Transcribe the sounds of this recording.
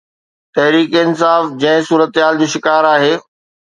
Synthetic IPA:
t̪ɐɦɾiːkeɪnsaːfd͡ʑɐ̃ɦɪ̃suːɾət̪ɦaːld͡ʑoːʃɪkaːɾaːɦeː

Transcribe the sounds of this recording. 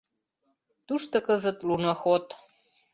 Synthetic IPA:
t̪uʃt̪ɤ̆kəzə̆t̪lunɤxot̪

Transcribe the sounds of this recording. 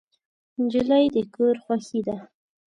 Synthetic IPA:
nd͡ʒɪlajd̪əkoɾxwaxid̪a

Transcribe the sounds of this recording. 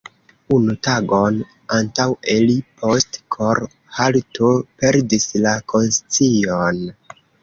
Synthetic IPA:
unutaɡo̞n | antawelipʰo̞stkʰoɾ | haltʰope̞ɾdislakʰo̞nst͡sion

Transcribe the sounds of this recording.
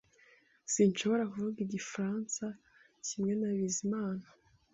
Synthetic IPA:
sinʃo̞βo̞ɾakuvuɡiɟifɾaːnsa | cimŋe̞naβizimaːna

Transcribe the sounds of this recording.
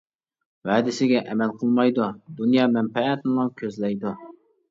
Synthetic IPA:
væːd̪ɪsɪɡʲɛʔɛmɛlqʰəlˠmɑjd̪ud̪unjɑːmɛmpɛɛt̪nɨlˠɑŋkʲʰøzlɛjd̪u

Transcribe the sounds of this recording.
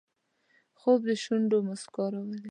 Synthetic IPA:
xobd̪əʃuɳɖomaskɑɾawəli

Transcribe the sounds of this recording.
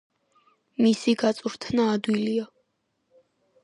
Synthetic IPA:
misiɡat̪sʼuɾt̪ʰnaːd̪wiliɔ

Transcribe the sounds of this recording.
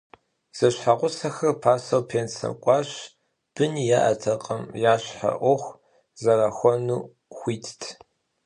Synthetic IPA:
z̥ɐɕħaqʷʊsɐxɐrpʰaːsɐwpʰeːnsɐ̰mkʷʼɑːɕ | b̥ɨnijaʔɐtʰɐqʼɐmjaːɕħa̰ʔʷɔxʷ | zɐɾaxʷɔnuː | xʷiːtʰtʰ

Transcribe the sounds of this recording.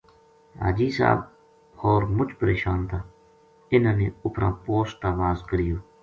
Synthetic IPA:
a̰ːd͡ʒiːsa̰ːb̚ | hoːɾmʊt͡ʃpəɾeːʃaːnt̪aː | ɪnãːnẽːʊpɾã̰ːpoːst̪aːʋaːzɡəɾɪjoː

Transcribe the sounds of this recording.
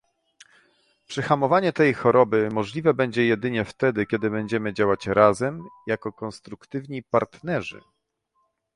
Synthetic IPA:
pʂɘxamɔvaɲɛt̪ɛjxɔɾɔbɘmɔʐlʲivɛbɛɲd͡ʑɛjɛd̪ɘɲɛft̪ɛd̪ɘkʲɛd̪ɘbɛɲd͡ʑɛmɘd͡ʑawat͡ɕɾazɛmjakɔkɔnst̪ɾukt̪ɘvɲipaɾt̪nɛʐɘ̰

